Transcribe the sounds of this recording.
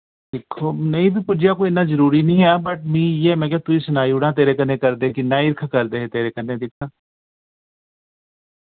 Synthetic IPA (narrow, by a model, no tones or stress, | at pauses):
d̪ɪkʰːoːnəĩːt̪ipʊd͡ʒɪjaːkoːiɪnãːzəɾuːɾiːnĩːɦɛːbəʈ̚mĩːɛːmɛ̃ːkeãːt̪ʊiːsʊnaːiːuɽãːt̪eːɾeːkənẽːkəɾd̪eːkinãːĩɾkʰkəɾd̪eːɦt̪eːɾeːkənːẽːd̪ɪkʰːaː